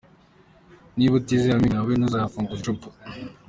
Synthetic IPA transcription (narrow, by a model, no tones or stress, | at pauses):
niβutiziamiŋaβenuzafuŋɡut͡ʃupu̥